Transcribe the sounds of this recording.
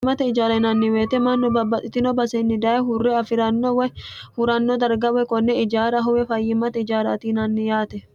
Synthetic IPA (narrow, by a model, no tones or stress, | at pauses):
mɐt̪ɛɪd͡ʒaːɾɐnɐnːɪweːt̪ɛmɐnːɔbɐbːɐt̪ʼɪt̪ɪnɔbɐsenːɪd̪ɐʔɛɦʊrːɛɐfɪɾɐnːɔwɐhʊɾɐnːod̪ɐɾɡɐwɛkɔnːɛɪd͡ʒaːɾɐɦɔwɛfɐjːɪmɐt̪ɛɪd͡ʒaːɾɐ̰t̪iːnɐnːɪjaːt̪ɛ